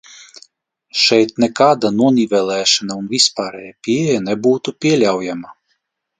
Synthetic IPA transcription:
ʃɛjt̪nɛkaːd̪anuɔnʲivʲɛlˠɛːʃanaunvʲispaːɾɛjapʲiɛjanɛbuːt̪upʲiɛlʲawjama

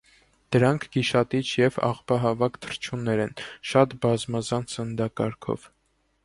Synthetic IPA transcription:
d̪̥əɾɑŋkʰɡ̥iʃɑt̪it͡ʃʰjɛvɑ̰ʁpɑɦɑvɑkt̪ʰə̥ɾt͡ʃʰunɛɾɛnʃɑt̪bɑzmɑzɑnsənd̪ɑkɑɾkʰɔ̰v̥

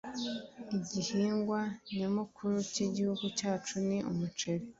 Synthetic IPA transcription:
iɟihiːŋɡwaɲamukʰuɾuciɟihuɡucaːt͡ʃuniʔumut͡ʃeɾe

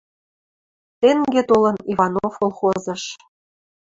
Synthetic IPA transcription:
t̪eŋɡʲet̪olɤ̆nivɑnofkolˠχozɤ̆ʃ

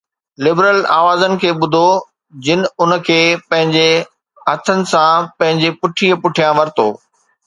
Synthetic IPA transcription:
lɪbɾəlaːʋaːzənɪ̆kʰeːɓʊd̪ʱo | d͡ʑɪnɪ̆ʊnə̆kʰeːpɐ̃ɦɪ̃ɲd͡ʑe | ɦɐt̪ʰənɪ̆sãpɐ̃ɦɪ̃ɲd͡ʑepʊʈʰiːəpʊʈʰijãʋɐɾt̪o̰ː

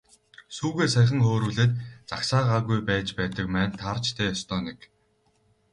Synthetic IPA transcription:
suːɣeːsæχʲə̆ŋχoːɾuːɮeːt̪t͡saksaːʁaːɣujpæːt͡ɕpæːt̪ə̆kmæːnt̪ʰart͡ɕt̪ʰæːɔst̪ʰɔːnek

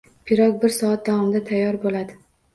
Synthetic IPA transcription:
pʰɪɾɒk̚bɪɾsɒat̪̚d̪awɒmd̪at̪ʰajːɒɾbolad̪ɪ

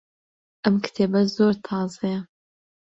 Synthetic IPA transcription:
ʔɐmkʰɨ̥t̪ʰeːbɐzoːɾt̪ʰɑːzɨjɐ

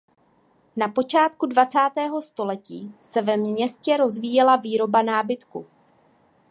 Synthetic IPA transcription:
napo̞t͡ʃaːt̪kudvat͡saːt̪ɛːɦo̞st̪o̞lɛciːsɛvɛmɲɛscɛɾo̞zviːjɛlaviːɾo̞banaːbɪt̪kṵ

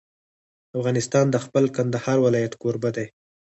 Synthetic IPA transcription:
afɣɑnɪst̪ɑnd̪əxpəlkand̪ahɑɾwɪlɑjat̪koɾbad̪aj

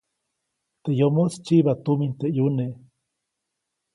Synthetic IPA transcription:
t̪eʔjomost͡ʃiβat̪umint̪eʔjuneʔ

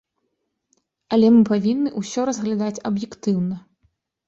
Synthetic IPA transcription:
ɐlʲɛmɨpavʲinːɨʔusʲɔɾɐzɣlʲad̪at͡sʲɐbjɛkt̪ɨwnɐ

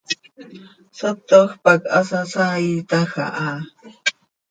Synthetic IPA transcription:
sat̪oxpakasasait̪axa̰ʔa

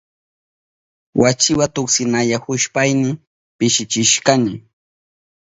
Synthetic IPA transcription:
wʔat͡ʃɪwat̪ʊksɪnaʎahʊʃpajnɪ | pɪʃɪt͡ʃɪʃkanɪ

